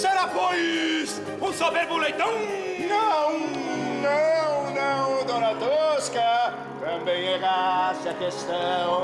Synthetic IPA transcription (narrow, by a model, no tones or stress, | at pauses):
sɛɾafojs | ũsobeɾbulejt̪ɐ̃w̃ | nɐ̃w̃ | nɐ̃w̃nɐ̃w̃d̪õnɐt̪oskɐ | t̪ɐ̃bẽj̃ɛɣasɐkeʃt̪ɐ̃w̃